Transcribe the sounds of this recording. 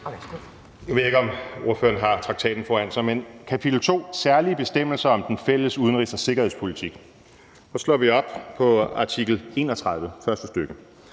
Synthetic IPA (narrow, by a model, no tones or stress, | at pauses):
jɑʋe̝ðˠeɡ̥ɒ̽mo̝ɐfø̰ːɐnɦɑ̈t͡sʰʁɑ̈ɡ̥t͡sʰɛ̰ːd̥n̩fɒæn̰sɑ̈ɪmenkʰæpʰid̥l̩t͡sʰo̝̰ːsæɐliəb̥e̝sd̥em̰l̩sɐɒ̽md̥enfel̰əsuð̞ˠənʁisɒse̝ɡ̥ɐhe̝ð̰ˠspʰo̝lit͡sʰiɡ̥ | sɒ̽slɒ̰ːʋiɒ̽b̥pʰɒ̽ɑ̈t͡sʰiɡ̥l̩e̝̰ːnɒt͡sʰʁað̞ˠʋəfɶɐsd̥əsd̥øɡ̥ə